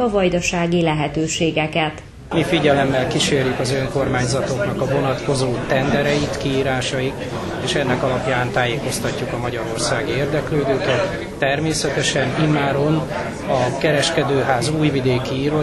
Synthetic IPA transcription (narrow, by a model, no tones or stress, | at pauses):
ɒvɒjd̪ɒʃaːɡilɛɦɛt̪øːʃeːɡɛkɛt̪ | mifiɟɛlɛmːɛlkiʃeːrjykɒzøŋko̞rmaːɲzɒt̪o̞knɒkɒvo̞nɒt̪ko̞zoːt̪ɛnd̪ɛɾɛjit̪kiiːɾaːʃɒjik | eːʃɛnːɛkɒlɒpjaːnt̪aːjeːko̞st̪ɒcːukɒmɒɟɒɾo̞rsaːɡieːrd̪ɛkløːd̪øːkɛt̪ː | ɛrmeːsɛt̪ɛʃɛnimaːɾo̞n | ɒkɛɾɛʃkɛd̪øːɦaːzuːjvid̪eːkiiːɾo